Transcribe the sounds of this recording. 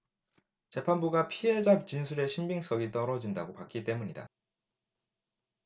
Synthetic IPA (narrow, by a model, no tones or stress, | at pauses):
t͡ɕe̞pʰanbuɡapʰiɦe̞d͡ʑap̚t͡ɕinsʰuɾe̞ɕʰimbiŋs͈ʌɡit͈ʌɾʌd͡ʑindaɡopak͈it͈e̞muɲida̰